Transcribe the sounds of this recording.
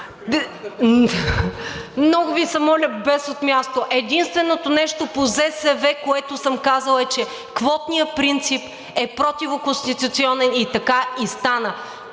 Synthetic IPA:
mnɔɡʊvisɐmɔlʲəbɛsot̪mʲjast̪oʔɛd̪inst̪vɛnot̪onɛʃt̪opozɛsɛvɛkoɛt̪ʊsəmkazəlˠɛt͡ʃɛ | kvɔt̪nijəpɾint̪sip | ɛpɾot̪ivokosʲt̪it̪ut̪siɔnɛnit̪ɐkaist̪anə

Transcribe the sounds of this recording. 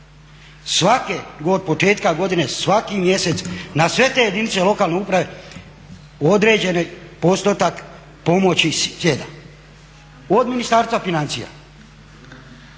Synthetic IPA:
sʋakeɡo̞d̪̚po̞t͡ʃe̞ːt̪kaɡo̞d̪inesʋakimje̞se̞t̪snasʋe̞t̪ejed̪init̪se̞lo̞kaːlˠneupɾaʋe̞ | o̞d̪ɾe̞ːd͡ʒe̞nepo̞st̪ot̪ak | po̞mo̞t͡ɕisjed̪a | o̞d̪minist̪aːɾst̪ʋafinant̪sija̰

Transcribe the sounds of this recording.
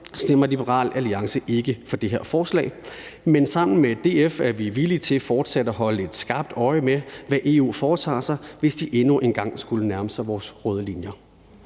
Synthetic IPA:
sn̥em̰ɐlib̥əʁɑ̰̈ːlæliɑ̈ŋsəʔe̝ɡ̥əfɒ̽d̥e̝ɦeɐ̰fɒːslɛ̰ːɪmensɑ̈m̰n̩med̥e̝̰ːefæɐʋiʋilit͡sʰe̝lfɒːd̥sæd̥əæɦɒ̽ləe̝d̥sɡ̥ɑ̈ːb̥̚d̥ɒ̽ɪəmeʋæʔe̝ːṵːfɒːt͡sʰɑ̰̈ːsɑ̈ɪʋe̝sd̥iʔe̝nuʔenɡ̥ɑ̈ŋ̰sɡ̥ulənæɐməsɑ̈ɪʋɒːsʁɔːð̞ˠlinjɐ

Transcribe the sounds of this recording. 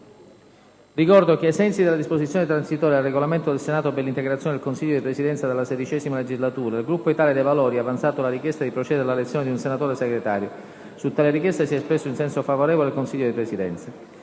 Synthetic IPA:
rikɔrd̪ok̟eːsɛnt̪sid̪elːad̪isposit̪sjoːnet̪ɾansit̪oːɾealreɡolament̪od̪elsenaːt̪opelːint̪eɡɾat̪sjoned̪elkonsiʎːod̪ipɾesid̪ɛnt̪sad̪elːased̪it͡ʃɛːzimaled͡ʒizlat̪uːɾailɡɾupːoit̪aːled̪evalɔːɾiavant̪saːt̪olaɾikjɛst̪ad̪ipɾot͡ʃɛːd̪eɾelalet̪sːjoːned̪iunsenat̪oːɾeseɡɾet̪aːɾjo | sut̪ːaːleɾik̬jɛst̪esiɛspɾesːoinsɛnsofavoɾɛːvolealkonsiʎːod̪ipɾesid̪ɛnt̪sa

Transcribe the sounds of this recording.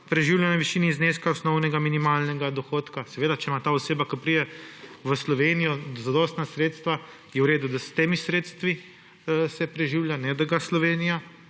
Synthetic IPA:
pɾɛʒiwljanɔʋiʃiːnizneskaɔsnɔwnɛɡaminimaːlnɛɡad̪ɔxoːt̪kasɛʋeːd̪at͡ʃɛmat̪aːɔseːbakɔpɾid̪ɛʋəslɔʋeːnijɔzad̪ɔːst̪nasɾeːt̪st̪ʋa | jɛwɾeːd̪ud̪ast̪eːmisɾeːt̪st̪ʋi | sɛpɾɛʒiːwljanɛd̪aɡaslɔʋeːnija

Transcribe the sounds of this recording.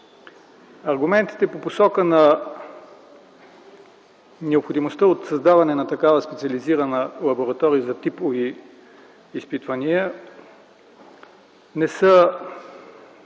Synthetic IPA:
ɐɾɡʊmɛnt̪i̥t̪ɛpoposɔkənɐ | nɛopxod̪imost̪əot̪sɐzd̪avɐnɛnɐt̪ɐkavəspɛt̪siɐliziɾənəlˠɐboɾɐt̪ɔɾijəzɐt̪ipoviː | spit̪vɐniə | nɛsə

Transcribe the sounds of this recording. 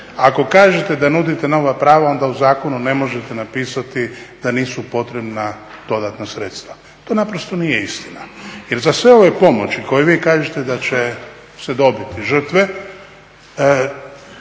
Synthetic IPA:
ako̞kaːʒet̪e̞d̪anud̪it̪eno̞ʋapɾaːʋao̞nd̪auzaːko̞nune̞mo̞ʒet̪enapiːsat̪id̪̥aniːsupo̞t̪ɾe̞bna | d̪̥o̞d̪at̪nasɾet̪st̪ʋa | t̪oːnapɾost̪o̞nije̞ist̪inajeɾzasʋe̞o̞ʋepo̞mo̞t͡ʃiko̞jeʋiːkaːʒet̪e̞d̪at͡ʃe | sed̪o̞bit̪iʒr̩t̪ʋe̞

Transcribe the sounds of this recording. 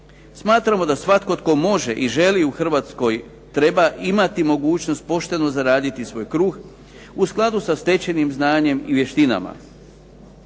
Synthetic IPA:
smaːt̪ɾamo̞d̪asʋat̪ko̞t̪ko̞mo̞ʒeʔiʒe̞liuxr̩ʋaːt̪sko̞j | t̪ɾe̞baʔimat̪imo̞ɡuːt͡ɕno̞st̪̚po̞ʃt̪e̞nozaɾaːd̪it̪isʋo̞ːjkɾuːɡ | usklˠad̪usast̪e̞t͡ɕe̞nimznaːɲe̞miʋje̞ʃt̪ina̰ma̰

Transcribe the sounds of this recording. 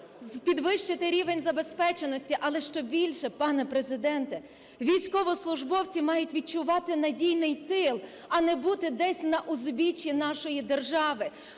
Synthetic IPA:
zpʲid̪ʋɪʃt͡ʃɪt̪ɪɾʲiʋenʲzɐbespɛt͡ʃenɔsʲtʲiʔɐlˠɛʃt͡ʃɔbʲilʲʃɛpɑnɛpɾezɪd̪ɛnt̪ɛ | ʋʲijsʲkɔʋɔslˠʊʒbɔwt͡sʲimɑjʊtʲʋʲid̪̚t͡ʃʊʋɑt̪ɪnɐdʲijnɪjt̪ɪlˠ | ɐnɛbut̪ɪd̪ɛsʲnɐʔʊzbʲit͡ʃʲinɑʃɔjid̪erʒɑʋɪ

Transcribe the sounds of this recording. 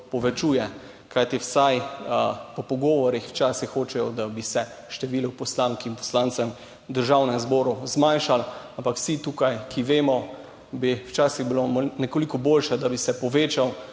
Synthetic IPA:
pɔʋɛt͡ʃuːjɛ | kajt̪iwsaj | pɔpɔɡɔːʋɔɾixwt͡ʃaːsixːoːt͡ʃɛjɔd̪abisɛ | ʃt̪ɛʋiːluwpɔslaːŋkinpɔ̥slaːnt̪sɛm | d̪əɾʒawnɛmzbɔːɾuzmanʃalampakw̥sit̪uːkajkʰiʋeːmɔ | biwt͡ʃaːsiɣbilonɛkolikɔboːlʃad̪abisɛpɔʋeːt͡ʃaw

